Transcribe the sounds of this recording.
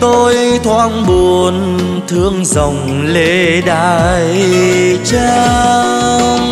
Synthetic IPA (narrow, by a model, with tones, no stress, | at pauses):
t̪o˧jt̪ʰwaː˧ŋɓu˨˩ən | t̪ʰɨ˧əŋzə˨˩wŋ͡m | le˧˩ɗaː˧j | t͡ɕaː˧